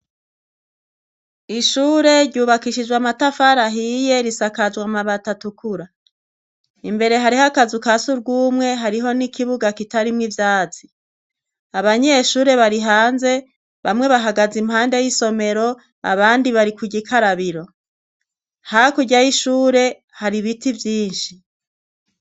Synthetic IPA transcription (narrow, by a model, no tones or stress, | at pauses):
iʃuːɾe̞ɾɟuːβakiʃid͡ʒwamatafaɾaɦije̞ɾisakad͡ʒɡwamaβatatukʰuɾa | imbe̞ɾe̞ɦaɾihakazukasuɾɡuːmŋe̞ɦaɾiɦo̞nikiβuɡakitaɾimŋivjaːt͡si̥ | aβaɲe̞ʃuːɾe̞βaɾiɦaːnze̞ | βamŋe̞βaɦaɡazimhaːnde̞jiso̞me̞ɾo̞ | a̰βaːndiβaɾikuɟikʰaɾaβiɾo̞ | hakuɟajiʃuːɾe̞ | haɾiβitivjiːnʃi